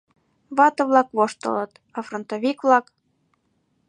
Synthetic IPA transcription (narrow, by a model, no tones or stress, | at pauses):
βɑt̪ɤβlɑkβoʃt̪ə̰lət̪ | ɑfront̪oβikβlɑk